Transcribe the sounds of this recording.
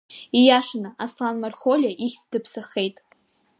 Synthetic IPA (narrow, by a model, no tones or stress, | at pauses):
ijaʂanaʔaslanmarχolʲjaʔiχʲsdɨpʰsaχe̞jtʼ